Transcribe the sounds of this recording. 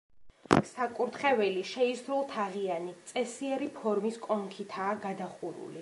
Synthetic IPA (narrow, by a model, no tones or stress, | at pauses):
sakʼuɾt̪χɛvɛliʃɛisɾulˠt̪ʰaʁianit̪sʼɛsiɛɾipʰɔɾmiskʼɔŋkʰit̪ʰaːɡad̪aχuɾṵli